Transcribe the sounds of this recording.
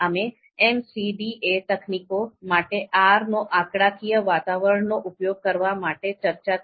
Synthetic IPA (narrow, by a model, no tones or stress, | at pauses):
ame | emsiɖiet̪əkʰnikomaʈeʔaɾnoʔakɽakʰijəʋat̪aʋəɾəɳnːoʔupjoɡ̚kəɾʋamaʈet͡ʃəɾt͡ʃa